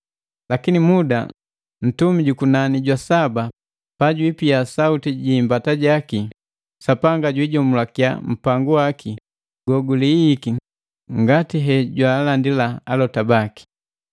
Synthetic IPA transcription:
lakinimuda̰ | n̩tumiɟukunaniɟwasaba | paɟwipijasautiɟiːmbataɟaki | sapaŋɡaɟwiɟɔmulakja̰m̩paŋɡuwaki | ɡ̥ɔɡuliːki | ŋɡatiɦɛɟwalandilaːlɔtabaki̥

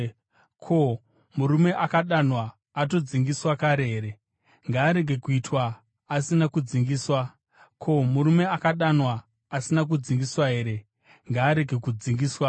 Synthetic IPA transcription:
kʰo̞ | muɾume̞ʔakaɗanwaː | t̬o̞d͡ziŋɡiswakaɾeɦeːɾe̞ | ŋɡaːɾe̞ɡʱe̞kuitwaː | sinakud͡ziŋɡiːswa | kʰo̞muɾume̞akaɗanwaː | sinak̬ud͡ziŋɡiswaɦe̞ːɾe̞ | ŋɡaːɾe̞ɡʱe̞kud͡ziŋɡiːswa

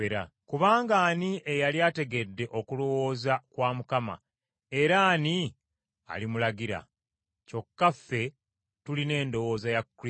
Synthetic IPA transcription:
eɾa̰ | kuβaːŋɡaːniʔe̞jaljaːte̞ɡe̞dːe̞ʔo̞kulo̞wo̞ːzakwaːmukama̰ | e̞ɾaːni | a̰limulaɡiɾa̰ | co̞kːafːe̞ | tuline̞ːndo̞wo̞ːzajakːɾi

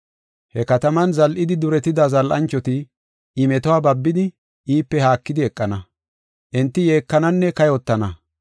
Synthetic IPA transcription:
hɛkɐt̪ɐmɐnzɐlʔɪd̪ɪd̪ʊɾɛt̪ɪd̪ɐzɐlʔɐ̰nt͡ʃːɔt̪ɪ | ʔɪmɛt̪ɔwaːbɐbːɪd̪ɪ | iːpːɛhaːkːɪd̪ɪɛkʼːɐnɐ | ʔɛnt̪ːɪje̞ːkːɐnɐnːɛkɐjɔt̪ːɐnɐ

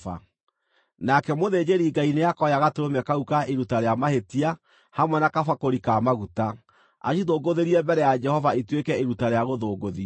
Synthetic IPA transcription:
a̰ | nakɛmoðed͡ʑeɾiːɡaineakɔjaɣatoɾomɛkaukaʔeɾutaɾeamaɦetia | hamwɛnakafakoɾikamaɣuta | a̰ʃiðoɡoðeɾiɛmbɛɾɛjad͡ʒɛhɔvaetwekɛeɾutaɾeaɣoðoːɡoði

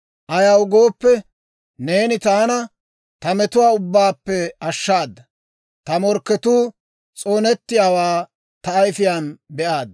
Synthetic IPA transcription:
ʔɐjɐwɡoːpːɛ | ne̞ːnɪt̪aːnɐ | t̪ɐmɛt̪ʊwaːʊbːaːpːɛɐʃːaːd̪ːɐ | t̪ɐmɔɾkːɛt̪uː | t͡sʼoːnɛt̪ːɪjaːwaː | t̪ɐːjfɪjaːnbɛʔaːd̪ɐ

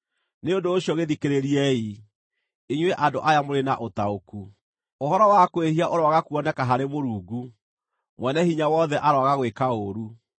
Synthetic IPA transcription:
neondoːɕiɔɣeðikeɾeɾiɛi | eɲwɛʔandoʔajamoɾena̰ʔotaoku | ohɔɾɔwakwehiaʔoɾwaɣakuɔnɛkaɦaɾemoɾuːɡu | mwɛnɛhiɲawɔðɛʔaɾwɔaɣaɣwekaoɾu

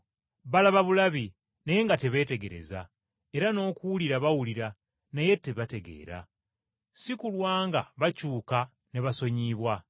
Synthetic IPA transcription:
βalaβaβulaβi | naje̞ŋɡate̞βe̞ːte̞ɡe̞ɾe̞̰za̰ | e̞ɾano̞ːkuuliɾaβawuliɾa | naje̞te̞βate̞ɡe̞̰ːɾa̰ | sikulwaːŋɡaβacuːka | neβaso̞ɲiːβwa

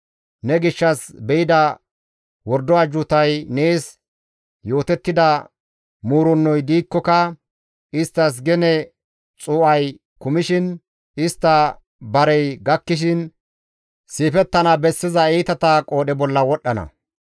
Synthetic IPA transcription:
nɛɡɪʃːɐsbɛɪd̪ɐ | wɔɾd̪ɔɐd͡ʒʊt̪ɐjne̞ːs | jo̞ːt̪ɛt̪ːɪd̪ɐ | muːɾɔnːɔjd̪iːkːɔkɐ | ɪst̪ːɐs̬ɡɛnɛ | t͡sʼʊːʔɐj | kʊmɪʃɪn | ɪst̪ːɐ | bɐɾɛjɡɐkːɪʃ̬ɪn | siːfɛt̪ːɐnɐbɛsːɪzɐɛːt̪ɐt̪ɐkʼo̞ːɗɛbɔlːɐwɔɗːɐnɐ̰

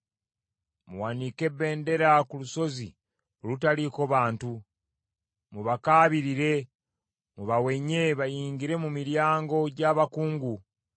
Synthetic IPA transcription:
mṵwanike̞βːe̞ːnde̞ɾakuluso̞zḭ | olutaliko̞βaːntu | muβakaːβiɾiɾe̞ | muβawe̞ɲe̞βajiːɲɟiɾe̞mumiɾjaːŋɡo̞ɟaːβakuːŋɡu

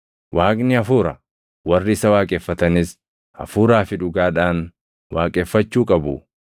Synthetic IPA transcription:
waːknɪɐfuːɾɐ | wɐrːɪɪsɐwaːkʼeːfːɐt̪ɐnɪs | ɐ̰fuːɾaːfɪᶑʊɡaːᶑaːn | waːkʼeːfːɐt͡ʃːuːkʼɐbʊ̰

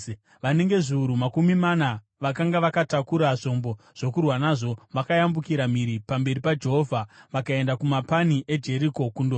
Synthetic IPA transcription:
ʋane̞ŋɡe̞ʐiuɾumakumimana | ʋakaŋɡaʋakatakuɾaʐo̞mbo̞ | ʐ̥o̞kurwanaʐo̞ʋakajambukiɾamiɾipambe̞ripad͡ʒe̞ɦovʱaʋakae̞ndakumapaniʔe̞d͡ʒe̞ɾiko̞kundo

